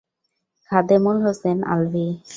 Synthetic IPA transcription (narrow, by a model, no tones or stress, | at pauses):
kʰad̪emolɦosena̰lbi